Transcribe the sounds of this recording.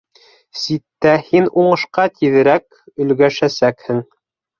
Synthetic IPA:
sit̪ːæhinuɴɤ̆ʃqɑt̪iðɘ̆ɾæk̚ | ɵ̆lɡæʃæsækhɘŋ

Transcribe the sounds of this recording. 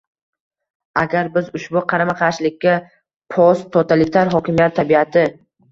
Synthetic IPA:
aɡʲaɾbɪzʊʃbʊqʰɑɾamaqʰɑaʃlɪkʲʰːa | pʰɒst̪ʰot̪ʰalɪt̪ʰaɾɦɒkʲɪmijat̪ʰːabiat̪ʰɪ

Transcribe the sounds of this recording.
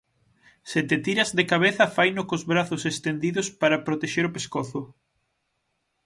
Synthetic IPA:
set̪et̪iɾɐzðekaβ̞eθɐfajnʊkozβɾaθʊsest̪end̪iðʊspaɾɐpɾot̪eʃeɾopeskoθʊ

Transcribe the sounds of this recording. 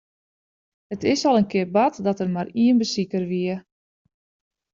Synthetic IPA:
ətɪsɔlˠənkɪərbatdɔtərmariənbəsikərʋiə

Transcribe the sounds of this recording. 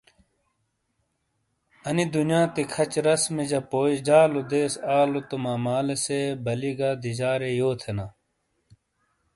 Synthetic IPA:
ɐnid̪unjãːt̪ikʰɐt͡ɕɾɐsmid͡ʑɐpoːd͡ʑaːlod̪eːsaːlot̪omaːmaːlesebɐliɡad̪id͡ʑaːɾejoːt̪ʰenaː

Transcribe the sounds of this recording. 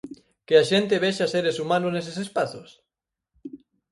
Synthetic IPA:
keaʃent̪eβeʃaseɾesumãnosnesesespaθos

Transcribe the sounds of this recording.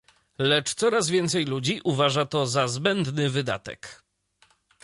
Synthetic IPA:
lɛt͡ʂt̪sɔɾazvʲjɛnt̪sɛjlud͡ʑiʔuvaʐat̪ɔzazbɛnd̪nɘvɘd̪a̰t̪ɛ̰k

